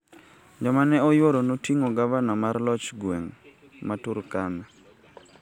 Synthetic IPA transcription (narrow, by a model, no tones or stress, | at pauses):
d͡ʒɔmanɛɔjwoɾɔnotiŋoɡavanamarlɔt͡ʃɡwɛŋ | matuɾkana